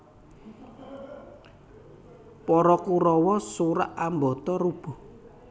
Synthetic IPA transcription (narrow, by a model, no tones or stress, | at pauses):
pɔɾɔkuɾɔwɔsuɾa̰ʔambɔt̪ɔɾub̥ɔ̤